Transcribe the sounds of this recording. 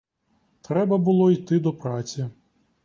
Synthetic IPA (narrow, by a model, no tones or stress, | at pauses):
t̪ɾɛbɐbʊlˠɔit̪ɪd̪ɔpɾat͡sʲi